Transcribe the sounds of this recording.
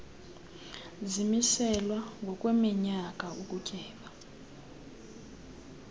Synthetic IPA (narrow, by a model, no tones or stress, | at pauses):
zimisɛlwaŋɡʱɔkʼwɛmiɲak̬ʼaukʼucʼɛːɓa